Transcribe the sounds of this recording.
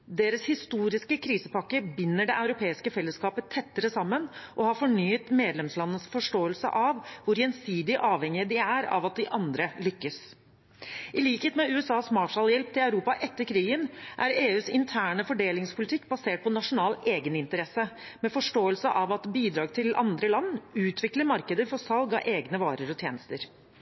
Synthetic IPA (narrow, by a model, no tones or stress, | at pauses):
d̪eːɾəshɪst̪uːɾɪskəkʰɾiːsəpɑkːəbɪnːəɖɛʔɑʉɾʊpʰeːɪskəfɛlːəskɑːpət̪ʰːɛt̪ːəɾəsɑmːənʔɔhɑɾfɔɳyːət̪meːd̪lɛmslɑnːəsfɔʂʈoːəlsə̰ʔɑʋʋʊɾjɛnsiːd̪ɪʔɑːʋhɛŋɪəd̪ɪæɾɑ̰ʋɑt̪̚d̪ɪʔɑnd̪ɾəlʏkːəs | ʔɪliːkəheːt̪mɛʉːɛsɑːsmɑːʂɑljɛlp̚t̪ʰɪlɑʉɾuːpɑʔɛt̪ːəɾkʰɾiːɡənʔæɾeːʉːsɪnt̪ʰæːɳəfɔɖeːlɪŋspʰʊlɪt̪ɪkːbɑseːʈ̚pʰɔnɑʂʊnɑːleːɡənɪnt̪əɾɛsːəmɛfɔʂʈoːəlsəʔɑʋɑt̪biːd̪ɾɑːɡt̪ʰɪlʔɑ̰nd̪ɾəlɑnːʉːt̪ʰʋɪkləɾmɑɾkəd̪əɾfɔsɑlɡɑ̰ʔeːɡnəʋɑ̰ːɾəɾɔt̪ʰjeːnəst̪əɾ